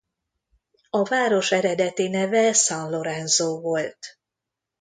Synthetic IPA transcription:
ɒvaːɾo̞ʃɛɾɛd̪ɛt̪inɛvɛsɒnlo̞ɾɛnzoːvo̞lt̪

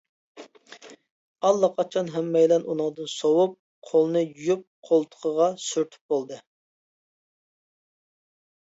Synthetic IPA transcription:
ɑlˠːɑqʰɑt͡ʃʰɑnɦɛmːɛjlɛnunɨŋd̪ɨnsowup̚ | qʰolˠnɨjujup̚qʰolˠt̪ʰə̥qʰəʁɑsyɾt̪ʰy̥p̚bolˠd̪ɨ

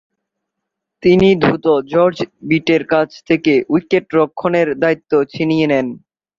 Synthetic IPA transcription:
t̪inid̪ʱɾut̪od͡ʑɔɾd͡ʑbiʈeɾkat͡ɕʰt̪ʰekeʔujkeʈɾokʰːoneɾd̪ait̪ːot͡ɕʰinijenen

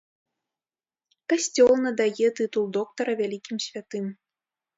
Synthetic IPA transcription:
kɐsʲt͡sʲolˠnɐd̪ajet̪ɨt̪ulˠd̪ok̚t̪oɾɐvʲælʲikʲimsʲvʲat̪ɨm

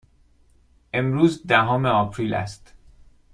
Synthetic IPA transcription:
ʔe̞mɾuːzd̪æɦɒːmeɒːpʰɾiːlæ̰st̪

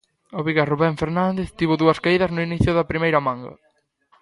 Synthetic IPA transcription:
oβiɣaruβɛɱfeɾnand̪eθt̪iβʊðuɐskaiðɐznʊiniθjʊðɐpɾimejɾɐmãŋɡɐ̰

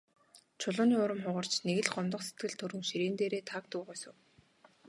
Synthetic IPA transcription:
t͡ɕʰʊɮʊːniːʊɾə̆mχʊʁə̆r̥t͡ɕneɣɘ̆ɮɢɔmt̪ɞ̆qse̥t̪ɡɘ̆ɮt̪ʰɵɾɵ̆ŋʃiɾeːnt̪eːɾeːt̪ʰak̚t̪ʊːʁœːsʊ̆w

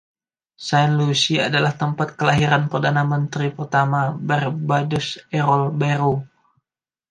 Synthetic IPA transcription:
sajnlusiadalaht̪əmpat̪̚kəlaɦiɾanpərdanamənt̪ɾipərt̪amabɛrbadʊsɛɾɔlbeɾu

